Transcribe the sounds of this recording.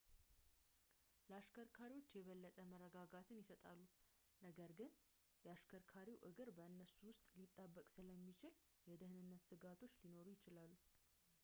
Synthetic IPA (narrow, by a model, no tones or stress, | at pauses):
ləaʃkʰəɾkʰaɾiwo̞t͡ʃːjɛβəlːət̪ʼəmərːəɡaɡat̪ʰɨnjɪsət̪ʼalːu | nəɡəɾɡɨn | jɛaʃkʰəɾkʰaɾiwʔɨɡɨɾbəɨnːəsuwʊst̪ʼlit̪ʼːabːəkʼsɨləmːit͡ʃɪl | jɛd̪ɨhɨnɨnːət̪sɨɡat̪ʰo̞t͡ʃːlino̞ɾujɪt͡ʃɪlalːu